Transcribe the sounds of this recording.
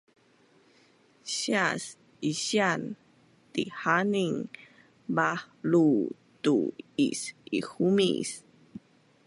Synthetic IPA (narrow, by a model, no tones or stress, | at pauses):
ɕias | iɕian | tihaniŋ | bah | lu | tṵḭsḭxumḭs